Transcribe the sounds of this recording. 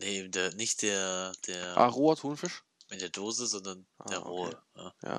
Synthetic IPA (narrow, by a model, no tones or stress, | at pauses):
neeːbm̩deːɐnɪçt̚d̥eːɐd̥eːɐʔa̰ːʁoːɐthuːnfɪʃ | ɪnd̥eːɐdoːzəzɔndɐn̥eːɐʁoːəjaːja̰